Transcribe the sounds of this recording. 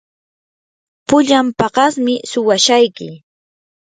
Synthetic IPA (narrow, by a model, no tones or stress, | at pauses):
pʊʎampɑɢɑsmɪsʊwaʃajkɪ̰